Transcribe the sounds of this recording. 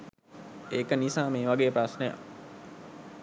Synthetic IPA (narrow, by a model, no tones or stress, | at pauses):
eːkənisaːmeːʋaɡeːəpɾasnəja̰